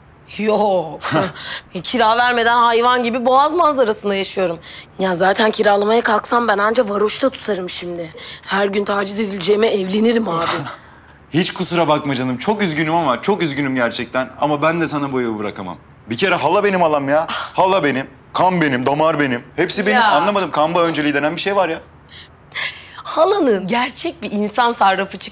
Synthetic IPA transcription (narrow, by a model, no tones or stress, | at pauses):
jo | cʰiɾaːvæɾme̞d̪ænhajvanɟibiboazmanzaɾasɯnd̪ajaʃɯjo̞ɾumjazaːt̪ʰæncʰiɾaːlˠamajakʰaksambænand͡ʒavaɾoʃt̪ʰat̪ʰu̥t̪ʰaɾɯmʃimd̪ɪhæɾɟynt̪ʰaːd͡ʒize̞d̪ilʲd͡ʒejmɛɛvlʲe̞niɾimaːbɪ | hit͡ʃkʰusuɾabakmad͡ʒanɯmt͡ʃʰo̞kyzɟynymamat͡ʃʰo̞kyzɟynymɟæɾt͡ʃʰɛc̚t̪ʰæna̰mabænd̪ɛsanabojabɯɾakama̰m | bicʰeɾɛɦalˠabe̞nimalˠamjahalˠːabe̞nim | kʰambe̞nimd̪amaɾbe̞nimhepsibenimanlˠamad̪ɯmkʰambaø̞nd͡ʒelʲid̪enænbiʃejvaɾja | halˠanɯnɟæɾt͡ʃʰɛc̚biːnsansaɾɾafɯt͡ʃʰɯ̥k